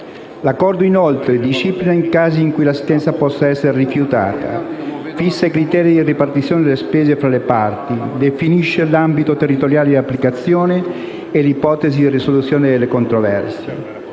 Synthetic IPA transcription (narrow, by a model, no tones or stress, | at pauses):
lakːɔrd̪oinolt̪ɾed̪iʃːiplinaiŋkaːziːŋkujlasi̥st̪ɛnt̪sapɔsːaɛsːeɾerifjut̪a̰ːt̪a̰ | fisːaikɾit̪ɛːɾid̪iripart̪it̪sːjoːned̪elespeːzefɾalepart̪id̪efiniʃːelambit̪ot̪erːit̪oɾjaːled̪apːlikat̪sːjoːneː | lipɔːt̪ezid̪irisolut̪sːjoːned̪elːekont̪ɾovɛ̰rsjḛ